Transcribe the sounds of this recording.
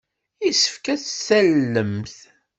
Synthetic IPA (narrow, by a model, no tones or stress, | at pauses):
isə̥fkæθsælːəmθ